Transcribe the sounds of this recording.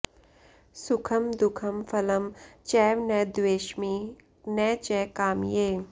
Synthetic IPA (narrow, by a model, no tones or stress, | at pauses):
sʊkʰɐmd̪ʊkʰɐmfʰɐlɐmt͡ʃɛːʋnɛd̪weːʃmiː | nɛːt͡ʃɛːkaːmjeː